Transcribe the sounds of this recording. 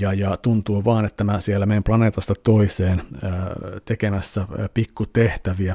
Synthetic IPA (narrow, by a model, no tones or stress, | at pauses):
jɑjɑt̪unt̪uːʋɑːnet̪ːæmæsielːæmeːmplɑneːt̪ɑst̪ɑt̪oiseːnː | t̪ekemæsːæpikːut̪eht̪æʋiæ